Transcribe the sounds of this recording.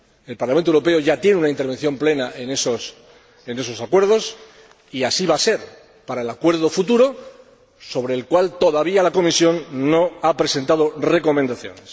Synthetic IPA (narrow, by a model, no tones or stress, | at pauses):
e̞lpaɾlamẽnewɾo̞pe̞oʝat̪je̞neunaint̪e̞ɾβ̞e̞n̟θjo̞mple̞naʔenesos | ene̞s̬o̞sakwe̞ɾð̞o̞s | iasiβase̞ɾ | paɾaelakwe̞ɾð̞o̞fut̪̬uɾo̞ | so̞β̞ɾe̞ːlkwalt̪o̞ðaβ̞ialako̞misjo̞nːo̞apɾe̞se̞nt̪aðo̞re̞ko̞mend̪aθjo̞̰ne̞s